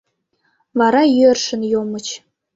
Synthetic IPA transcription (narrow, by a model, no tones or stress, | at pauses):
vɑɾɑjyə̆rʃɘ̆njomɤ̆t͡ɕ